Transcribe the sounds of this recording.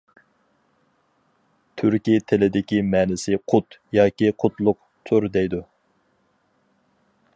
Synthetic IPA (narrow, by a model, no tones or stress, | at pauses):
t̪ʰyɾkʲit̪ʰɪlɪd̪ɪkʲimɛːnɪsɪqʰʊt̪jɑːkʲiqʰʊt̪lˠʊq | t̪ʰuɾd̪ɛjd̪u